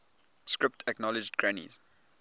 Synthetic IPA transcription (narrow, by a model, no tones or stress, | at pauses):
skɹɪptʰəknɔlɪd͡ʒdkʰɹanḭz̥